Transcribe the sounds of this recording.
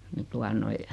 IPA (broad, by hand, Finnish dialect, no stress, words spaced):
ni tuɑ noi